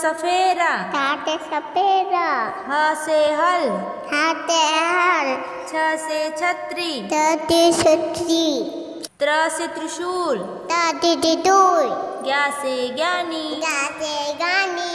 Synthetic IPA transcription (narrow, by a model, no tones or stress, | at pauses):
sɐpʰeːɾat̪aːt̪esɐpʰeːɾaɦɐseɦɐl | tʰat̪eɦɐl | t͡ʃʰɐset͡ʃʰɐt̪ɾit̪ət̪isɐt̪ɾi | t̪ɾɐset̪ɾuʃuːl | t̪ad̪id̪id̪uːɾɡjaːseɡaːniɡaːseɡaːni